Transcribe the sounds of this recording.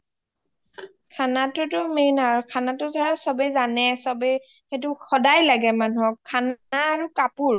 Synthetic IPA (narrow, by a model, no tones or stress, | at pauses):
kʰanatʊtʊmenaɹukʰanatʊzʰaɹasɔbɛzanɛsɔbɛ | xet̬ʊxɔdajlaɡɛmanuɔkkʰːanaːɹukapuɹ